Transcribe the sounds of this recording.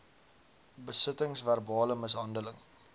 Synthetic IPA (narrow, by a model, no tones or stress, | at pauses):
bəsətəŋsværbɑːləməsɦɐndələŋ